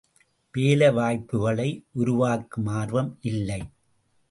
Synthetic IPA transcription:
peːlɐʋaːjpːɯɣɐɭɐɪʔʊɾʊʋaːkːɯmaːɾʋɐmʔɪlːɐɪ

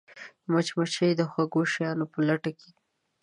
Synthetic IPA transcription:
mat͡ʃmat͡ʃəjd̪əxwaɡoʃajɑnopəlaʈakʰe̥

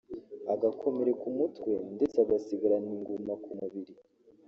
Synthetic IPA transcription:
aɡakʰo̞me̞ɾe̞kumutwe̞nde̞t͡saɡasiɡaɾaniŋɡumakumuβiɾi

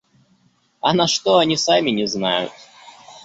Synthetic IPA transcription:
ɐnɐʂt̪oɐnʲisamʲɪnʲɪzna̰jʊ̰t̪̚

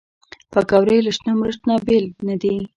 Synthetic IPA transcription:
pakawɾeləʃnamɾəʂt̪nabelnad̪i

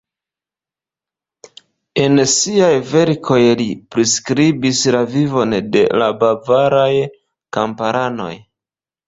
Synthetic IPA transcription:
e̞nsiajve̞ɾkʰo̞jlipɾiskɾibislavivo̞nde̞̰labavaɾaj | kampaɾʔano̞̰j

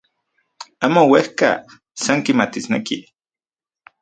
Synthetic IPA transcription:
amowehka̰ | saŋkimat̪isneki

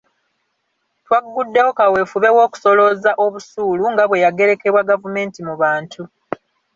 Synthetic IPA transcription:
twaɡudːe̞wo̞kawe̞fuβe̞wo̞ːku̥so̞lo̞zaʔo̞βusuːluŋɡaβwe̞jaɡe̞ɾe̞ke̞βwaɡavume̞ːntimuβaːntʰu

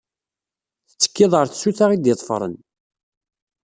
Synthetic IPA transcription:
θə̥t͡sːə̥kːɪðˤʁəɾθəsːuθaʁid̪jet̪ˤfɾˤə̰n

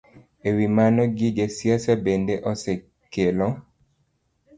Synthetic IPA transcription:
ewimanɔɡɪd͡ʒesjasabendeʔɔsɛ | kelɔ

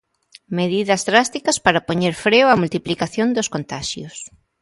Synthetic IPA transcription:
meðiðɐzðɾast̪ikɐspaɾɐpoɲeɾfɾewɐmult̪iplikaθjond̪oskont̪aʃjʊs

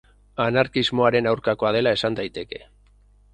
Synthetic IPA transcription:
anaɾkizmo̞aɾe̞nawɾkako̞að̞e̞lae̞sand̪ajt̪e̞ke̞̥

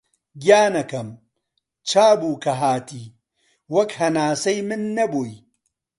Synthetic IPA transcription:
ɡʲjaːnɐkɐm | t͡ʃaːbuːkɐɦaːt̪ʰiː | wɐkhɐnaːsɐjmɨnːɐboj

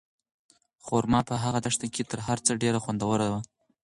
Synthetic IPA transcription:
xoɾmɑpəɦaɣad̪aʂt̪aket̪əɾɦaɾt͡səɖeɾaxwand̪awəɾawa

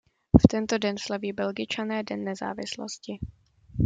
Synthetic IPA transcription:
ft̪ɛnt̪o̞dɛnslaviːbɛlɡɪt͡ʃanɛːdɛnːɛza̰ːvɪslo̰scɪ

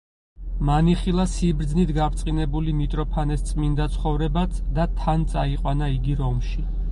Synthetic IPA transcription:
maniχilˠasibɾd̪znit̪ʰɡaɾt̪sʼinɛbulimit̪ʼɾɔpʰanɛst̪sʼmind̪at̪sʰχɔvɾɛbat̪d̪at̪ʰant̪sʼaiqʼwanaiɡiɾɔmʃi

